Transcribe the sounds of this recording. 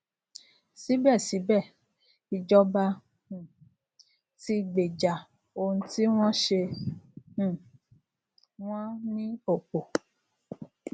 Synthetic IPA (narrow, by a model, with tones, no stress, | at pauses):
si˨˦bɛ˦˨si˨˦bɛ˦˨ | i˧d͡ʒɔ˦bã˧˨ | ti˦ɡ͡be˨d͡ʒa˨ | o˧ũ˧ti˦w̃ɔ̃˦ʃẽ˧˦˨ | w̃ɔ̃˦nĩ˦o˦˨k͡po˨